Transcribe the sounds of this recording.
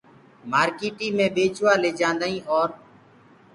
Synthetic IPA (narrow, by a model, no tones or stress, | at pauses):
maːɾkiːʈĩːmẽːɓeːt͡ʃʰʋaːleːd͡ʒãːnd̪aːĩːɦɔːɾ